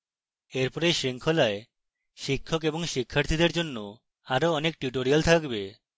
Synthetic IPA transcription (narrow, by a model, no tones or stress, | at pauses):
eɾpɔɾejʃɾiŋkʰɔlae | ʃikʰːɔkebɔŋʃikʰːaɾt̪ʰid̪eɾd͡ʒonːo | aɾoɔnek̚ʈuʈ̬oɾijalt̪ʰakbe